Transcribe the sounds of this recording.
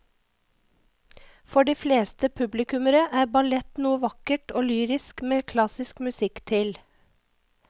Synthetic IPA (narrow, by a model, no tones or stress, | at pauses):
fɔɖiːfleːst̪əpʰʉblɪkʉməɾəʔæːɾbɑlɛt̪nuːəʋɑkəʈoːlyːɾɪskmeːkʰlɑsɪskmʉsɪkt̪ʰɪl